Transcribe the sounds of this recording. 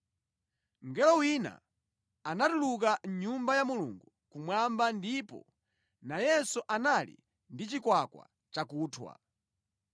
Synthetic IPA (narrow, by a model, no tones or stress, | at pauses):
ŋɡɛlɔwina̰ | anatuluk̬anɲumbajamuluŋɡu | kumwambandipɔ̰ | najɛsuʔanalḭ | ndit͡ʃikwakwa̰ | t͡ʃakuːtʰwa̰